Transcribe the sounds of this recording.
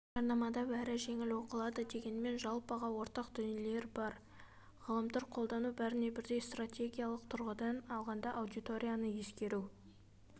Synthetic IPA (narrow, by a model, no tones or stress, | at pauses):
ʒɑɾnɑmɑd̪ɑbæɾɪʒe̞ŋɪlwo̞qəlˠɑd̪əd̪e̞ɡʲe̞nme̞nʒɑlˠpɑʁɑwo̞ɾt̪ɑqd̪̥ʏnele̞ɾbɑɾ | ʁəlˠəmt̪ɑɾqʰo̞lˠd̪ɑnubæɾɪne̞bɪɾd̪e̞jst̪rat̪ʲʰe̞ɡʲijalˠəqt̪ʰʊɾʁəd̪ɑnɑlˠʁɑnd̪ɑʔːwd̪ijt̪o̞ɾʲijanəje̞skʲe̞ɾu